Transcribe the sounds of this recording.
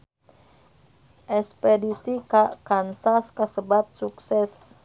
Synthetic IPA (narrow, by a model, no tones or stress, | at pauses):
ʔɛspɛdisikaʔkansaskasəbat̪̚suksɛs